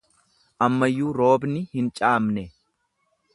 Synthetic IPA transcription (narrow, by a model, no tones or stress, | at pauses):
ʔɐmːɐjːuːɾo̞ːbnɪhɪnt͡ʃʼaːmnɛ